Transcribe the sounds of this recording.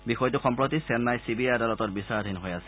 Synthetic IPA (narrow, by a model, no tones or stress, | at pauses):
bixɔjtuxɔmpɹot̪isɛnːajsibiajadalɔtɔtbisaɹd̪ʱinɦojasɛ̥